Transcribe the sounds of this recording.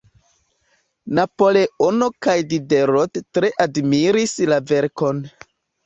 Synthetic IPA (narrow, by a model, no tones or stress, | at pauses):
napoleono̞kajdide̞ɾottɾe̞ʔadmiɾislave̞ɾko̞n